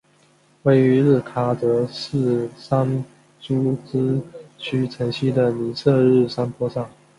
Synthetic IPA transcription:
we˥˩ɪy˧˥ɻɻ̩˥˩kʰa˥t͡sɤ˧˥ʂɻ̩˥˩sa˥n | t͡ɕu˥t͡sɹ̩˥t͡ɕʰy˥ʈ͡ʂʰə˧˥ŋɕi˥d̪ə˨ni˧˥sɤ˥˧ɻɻ̩˥˩ʂa˥npʰwɔ˥ʂɑ˥˩ŋ

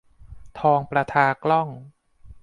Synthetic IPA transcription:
t̪ʰɔː˧ŋpɾa˧t̪ʰaː˧klɔ˥˩ŋ

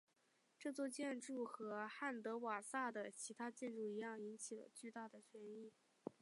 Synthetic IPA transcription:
ʈ͡ʂɤ˥˧t͡swɔ˥˧t͡ɕjɛ˥˧nʈ͡ʂu˥˩xɤ˧˥xa˥˩nt̪ɤ˧˥wa˨˩sa˥˩d̪ə˩t͡ɕʰi˧˥t̪ʰa˥t͡ɕjɛ˥˧nʈ͡ʂu˥˩i˧˥jɑ˥˩ŋi˧˥nt͡ɕʰi˨˩lə̰˦t͡ɕy˥˧t̪a˥˩d̪ə˩t͡ɕʰɥɛ˧˥ni˥˩

